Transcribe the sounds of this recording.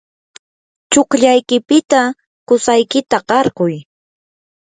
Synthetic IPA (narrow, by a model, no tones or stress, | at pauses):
t͡ʃokʎajkɪpɪt̪a | kʊsajkɪt̪aqɑɾɢʊj